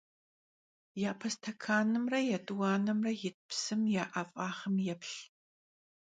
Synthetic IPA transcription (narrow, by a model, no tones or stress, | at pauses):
jaːpʰɐstʰɐkʰaːnɨmrɐjɛtʼwaːnɐmrɐjɪt̚ʰʼpʰsɨmjaːʔɐfʼaːχɐmjɛpɬ